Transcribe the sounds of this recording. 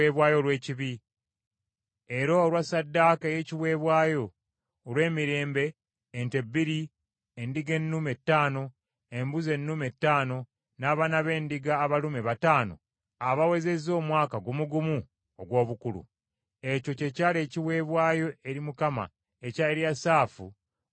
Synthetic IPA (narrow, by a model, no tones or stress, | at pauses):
eβwaːjo̞lwe̞ːciβi | eɾoːlwasadːakaje̞ciwe̞ːβwaːjo̞ː | lwe̞ːmiɾe̞ːmbe̞ː | nte̞bːiɾi | endiɡe̞nːume̞tːaːno̞ | embuze̞nːume̞tːaːno̞ | naːβanaβe̞ːndiɡaːβalumeβataːno̞̰ | aβawe̞ze̞zo̞ːmwaːkaɡomuɡumu | oɡwo̞ːβukulṵ | e̞co̞cecaːle̞ːciwe̞ːβwaːjo̞ʔe̞ɾimukama̰ | ecaeɾjasaːfu